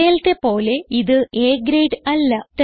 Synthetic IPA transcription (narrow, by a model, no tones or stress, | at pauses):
eːlt̪e̞po̞ːle̞iðɨʔeːɡɾejɖɐlːɐt̪ɐ